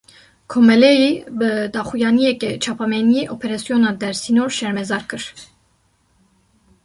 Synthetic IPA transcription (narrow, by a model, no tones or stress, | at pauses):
kʰomɛlɛjibəd̪ɑːxujɑːnijɛkɛt͡ʃʰɑːpʰɑmɛnijeʔopʰɛɾɑsjonɑːd̪ɛɾsinoɾʃɛɾmɛzɑːɾkɨɾ̥